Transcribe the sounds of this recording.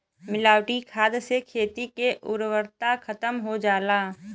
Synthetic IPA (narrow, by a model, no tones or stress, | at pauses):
mɪlaːʊʈikʰaːd̪sekʰeːt̪ikeʔʊɾwəɾt̪akʰɐt̪əmɦod͡ʒaːlaː